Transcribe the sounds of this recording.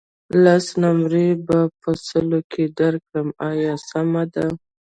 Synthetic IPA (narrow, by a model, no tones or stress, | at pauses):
lasnamɾebapəsəlokʰed̪aɾkɽəmɑjɑsamad̪a